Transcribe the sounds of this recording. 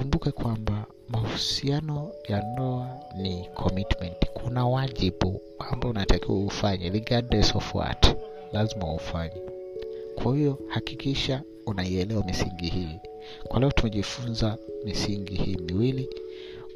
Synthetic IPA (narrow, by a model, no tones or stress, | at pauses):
umbukɛkwamba | mahusianɔjandɔanikʰɔmitmɛnti̥kʰunawaʄiɓu | wambaunatakiwaufaɲɛɾiɡadnɛsɔfwa̰t | lazima̰ufaɲɛkwahijɔhakikiʃa | unaiɛlɛwamisiŋɡihiː | kwalɛɔtumɛʄifunzamisiŋɡihiːmiwili